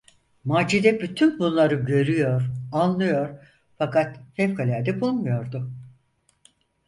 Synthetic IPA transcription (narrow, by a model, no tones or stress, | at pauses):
maːd͡ʒid̪ɛbyt̪ʰynbunlˠaɾɯɟø̞ɾyjoɾanlˠɯjoɾ | fakat̪fɛfkʰalʲaːd̪ɛbulˠmujo̞ɾd̪ʊ